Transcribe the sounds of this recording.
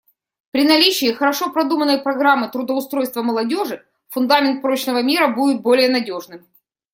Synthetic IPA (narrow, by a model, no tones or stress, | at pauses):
pɾʲɪnɐlʲit͡ɕɪːxəɾɐʂo̞pɾɐd̪umənəjpɾɐɡɾamːɨt̪ɾʊd̪əʊst̪ɾo̞jst̪vəməlˠɐdʲo̞ʐɨ | fʊnd̪amʲɪnt̪̚pɾot͡ɕnəvəmʲiɾəbudʲɪt̪̚bo̞lʲɪjənɐdʲo̞ʐnɨm